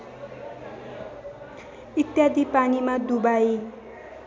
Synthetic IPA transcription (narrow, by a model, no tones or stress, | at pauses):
it̪jad̪ipanimad̪ubai